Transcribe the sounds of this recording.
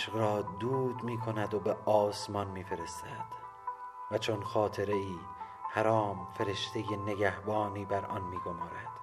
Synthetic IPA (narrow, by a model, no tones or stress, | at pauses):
ʃqɾɒːd̪uːd̪miːkʰo̞næd̪o̞be̞ɒːsmɒnmiːfe̞ɾe̞st̪ʰæd̪̥ | væt͡ʃʰonxɒːt̪ʰe̞ɾe̞iː | hæɾɒːmfe̞ɾe̞ʃt̪ʰe̞je̞ne̞ɡæhbɒːniːbæɾɒ̰nmiːɡomɒːɾæd̪̥